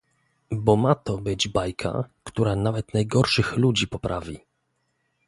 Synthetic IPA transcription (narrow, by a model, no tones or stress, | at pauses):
bɔmat̪ɔbɘd͡ʑbajkʰa̰kt̪uɾanavɛt̪najɡɔɾʂɘxlud͡ʑipɔpɾʔavʲi